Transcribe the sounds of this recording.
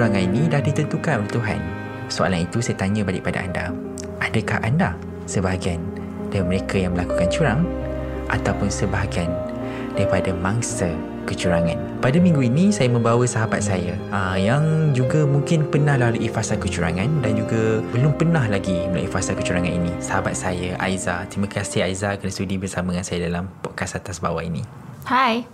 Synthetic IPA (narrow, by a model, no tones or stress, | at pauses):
ɾaŋãninĩdahdit̪ənt̪ukanoleht̪uɦa̰n | soa̰lanit̪usajat̪aɲə̃baliʔpada̰ʔa̰nda̰ | ʔadakahʔanda | səbaɦɡian | damə̃ɾekajaŋmə̃lakukant͡ʃuɾaŋ | ʔa̰t̪awpʊnsəbaɦaɡan | daɾipadamaŋsə | kət͡ʃuɾaŋãn | padamĩŋɡuinĩsajamə̃mbawəsaɦabat̪̚saja | əjaŋd͡ʒuɡamuŋkɪnpənãhlaluʔifasalkət͡ʃuɾa̰ŋãndand͡ʒuɡabəlʊmpənãhlaɡiməlṵʔḭfasalkət͡ʃuɾaŋãninisaɦabat̪̚sajaʔa̰jzat̪ɾimãkasiaizakənast̪udibərsamaŋãnsajadalampɔʔkasat̪asba̰wainḭ | haj